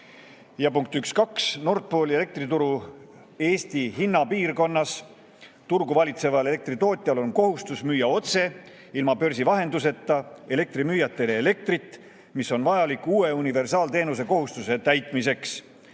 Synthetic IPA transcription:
jɑpuŋk̚t̪ykskɑksno̞rt̪̚po̞ːlʲie̞le̞k̚t̪rit̪uɾu | e̞ːst̪iɦinːɑpiːrko̞nːɑs | t̪urɡuvɑlʲit̪se̞vɑle̞le̞k̚t̪rit̪o̞ːt̪ʲːˑjɑlo̞nko̞ɦust̪usmyːjɑo̞t̪se̞ | ilmɑpø̞rsivɑɦe̞nd̪us̬e̞t̪ːˑɑe̞le̞k̚t̪rimyːjɑt̪ːˑe̞leele̞k̚t̪rit̪ːˑ | miso̞nvɑjɑlikːuːe̞unive̞rsɑːlt̪e̞ːnuse̞ko̞ɦust̪use̞t̪æjt̪ˑmise̞ks

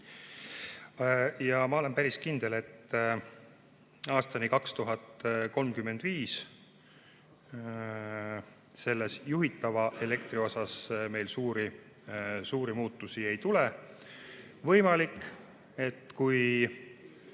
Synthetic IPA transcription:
jɑmɑo̞le̞mpæɾiskind̪̥ele̞t̪ː | ɑːst̪ɑnikɑkst̪uɦɑt̪ko̞lmkymːe̞nd̪viːs | se̞lːe̞sjuɦit̪ːˑɑvɑʔe̞le̞kt̪ɾio̞sɑsme̞jlsuːɾi | suːɾimuːt̪ˑːusie̞jt̪ule | vɤ̞jmɑlikː | e̞t̪ːkuj

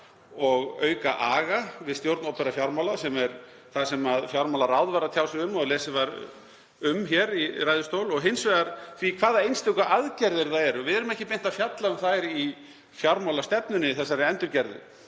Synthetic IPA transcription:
ɔɣœːɥkaʔaːɣavɪðst̪jowɾt̪nowpɛɾafjawɾmawlasɛmɛɾ | θasɛmaðfjawɾmawlaɾawðvaɾat̪ʰjaːwsʏʏmːɔɣlɛːsɪvaɾ | ʏmçɛɾirajðʏst̪owlɔɣɦɪnsvɛɣaɾθikʰvaːðaejnst̪ʏkaʔaðcɛɾðɪɾθaɛɾʏvɪðɛɾʏmɛhcɪpen̥t̪afjat̪laʏmθaɾi | fjawɾmawlast̪ɛpnʏnːɪθɛsːaɾɪɛnt̪ʏɾcɛɾðʏ̰

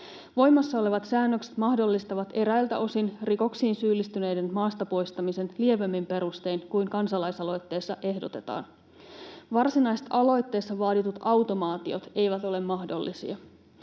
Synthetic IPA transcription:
ʋo̞jmːɑsːɑo̞le̞ʋɑt̪sæːnːøkse̥t̪mɑhdo̞lːist̪ɑʋɑt̪e̞ɾæjlt̪æ̰ʔo̞sinriko̞ksiːnsyːlːist̪yne̞jde̞nmɑːst̪ɑpo̞jst̪ɑmise̞nlie̞ʋemːimpe̞ɾust̪e̞ːnkujŋkɑnsɑlɑjsɑlo̞jt̪ːe̞ːsːɑʔe̞hdo̞t̪e̞t̪ɑ̰ːn | ʋɑrsinɑjst̪ɑlo̞jt̪ːe̞ːsːɑʋɑːt̪it̪ut̪ɑwt̪o̞mɑːt̪io̞t̪e̞jʋæt̪o̞le̞mːɑhdo̞lːisḭɑ

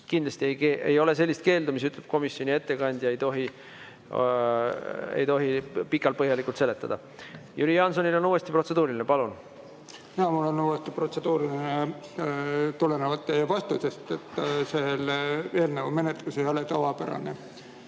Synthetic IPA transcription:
kind̪lɑsʲt̪iejkeʔejo̞le̞s̬e̞lːist̪̚ke̞ːld̪umisyt̪ːˑleb̥ko̞misjo̞nʲie̞t̪ːe̞kɑnʲd̪̥jɑe̞jt̪o̞ɦi | ḛjt̪o̞ɦipikːˑɑlt̪pɤɦjɑlikːˑult̪se̞let̪ːˑɑd̪̥ɑ | jyɾiɑnso̞nilo̞nuːe̞st̪ipɾro̞t̪se̞d̪uːɾilʲinepɑlun | ɑmulːonuːwest̪iprot̪se̞d̪̥uːɾiline | t̪ulenevɑt̪ːˑeɑvɑst̪usest̪et̪ːˑsele̞ːlneume̞net̪luse̞jo̞let̪ɑvɑpæɾɑ̰ne

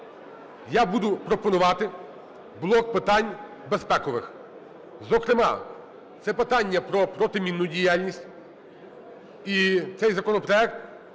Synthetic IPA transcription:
jabud̪ʊpɾɔpɔnʊʋɑt̪ɪ | blˠɔk̚pɪt̪ɑnʲ | bespɛkɔʋɪ̰x | zɔkɾɪmɑ̰ | t̪sɛpɪt̪ɑnʲːɐpɾɔpɾɔt̪ɪmʲinːʊdʲijalʲnʲisʲtʲ | it̪sɛjzɐkɔnɔpɾɔɛk̚t̪̚

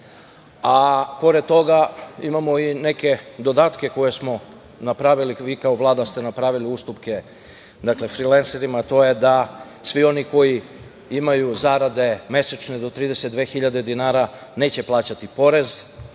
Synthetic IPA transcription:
apo̞ɾed̪̚t̪o̞ɡaimamo̞ine̞ke̞d̪o̞d̪aːt̪ke̞ko̞je̞smo̞ | napɾaʋiliʋiːkaoʋlˠaːd̪ast̪e̞napɾaʋiliust̪upke̞ | d̪akle̞fɾilenseɾimat̪o̞je̞d̪a | sʋio̞niko̞ji | imajuzaɾad̪e̞me̞sat͡ʃned̪o̞t̪ɾiːd̪e̞set̪d̪ʋe̞ːxiʎad̪e̞d̪inaːɾa | ne̞ːt͡ɕe̞plˠaːt͡ɕat̪ipo̞ɾe̞z

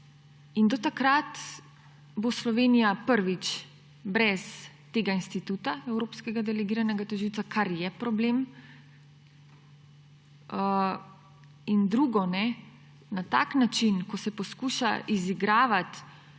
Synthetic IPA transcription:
ind̪ɔt̪akɾat̪ | boslɔʋeːnijapəɾʋit͡ʃ | bɾɛs | t̪eːɡainst̪it̪ut̪aɛwɾoːpskɛɡad̪ɛlɛɡiːɾanɛɡat̪uʒiwt̪sakʰaɾjɛpɾɔblem | ind̪ɾuːɡɔnɛ | nat̪a̰knat͡ʃinkɔsɛpɔskuːʃa̰ʔiziɡɾaːʋat̪

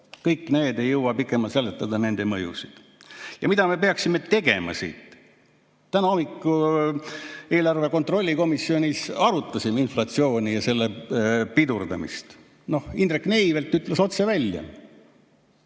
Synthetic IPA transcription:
kɤjkːˑne̞ːd̪e̞jːɤwɑpikːˑe̞mɑlselːet̪ˑːɑd̪ɑne̞nd̪e̞mɤjṵsid̪̥ | jɑ̰mid̪ɑmepe̞ɑksime̞t̪e̞ɡe̞̰mɑ̰sḭːt̪ | t̪ːænɑo̞mikːˑu | e̞ːlɑrve̞kot̪ro̞lʲːiko̞misːio̞nʲisɑɾut̪ˑːɑsiminflɑt̪sio̞ːnʲijɑse̞lːepid̪urd̪ɑ̰mḭst̪ | no̞hind̪rekːne̞ivelt̪ˑːyt̪ːˑleso̞t̪se̞vælʲjɑ̰

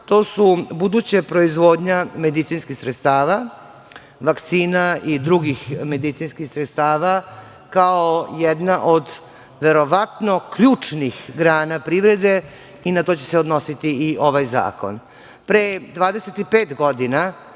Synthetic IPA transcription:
t̪oːsubud̪ut͡ɕepɾo̞izʋo̞ːd̪ɲame̞d̪it̪sinskixsɾet̪st̪aːʋa | ʋakt̪siːnaid̪ɾuɡixme̞d̪it̪sinskixsɾet̪st̪aːʋa | kaojɛd̪naʔod̪ | ʋe̞ɾo̞ʋat̪no̞kʎuːt͡ʂnixɡɾaːnapɾiʋɾed̪e | inat̪o̞t͡ɕe̞seod̪no̞sit̪iiʔo̞ʋajza̰ːko̞̰n | pɾed̪ʋaːd̪eset̪ipeːt̪ɡod̪ina

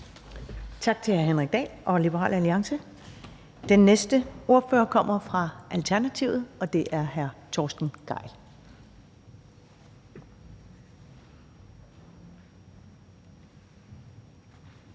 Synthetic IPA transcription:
t͡sʰɑ̈ɡ̥̚t͡sʰe̝lhæɐɦenʁɛɡ̥̚d̥ɛ̰ːʔɒ̽lib̥əʁɑ̰ːlæliɑ̈ŋsə | d̥enːesd̥əo̝ɐfø̰ːɐkʰɒ̽m̰ɐfʁɑ̈ʔælt͡sʰæɐnæt͡sʰiʊð̩ˠɒ̽d̥e̝ʔæɐɦæɐt͡sʰɒːsd̥n̩ɡ̥ɑ̈ɪ̰

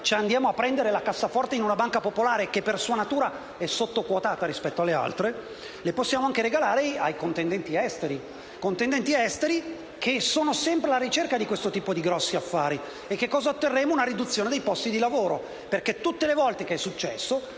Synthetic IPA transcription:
t͡ʃand̪jaːmoapːɾɛnd̪eɾelakasːafɔrt̪einunabaŋkapopolaːɾekepːersuːanat̪uːɾa | ɛsot̪ːokwot̪aːt̪aɾispɛt̪ːoalːea̰lt̪ɾe | leposːjaːmoaŋkeɾeɡalaːɾeajkont̪end̪ɛnt̪iɛst̪eɾi | kont̪end̪ɛnt̪iɛst̪eɾi | kʰesoːnosɛmpɾelaɾit͡ʃerkad̪ikwest̪ot̪iːpod̪iɡɾɔsːiafːaːɾi | ekːekːɔːzaot̪ːerːemounaɾid̪ut̪sːjoːned̪ejpɔst̪id̪ilavoːɾo | perket̪ːut̪ːelevɔlt̪ekeɛsːut͡ʃːɛ̰sːo

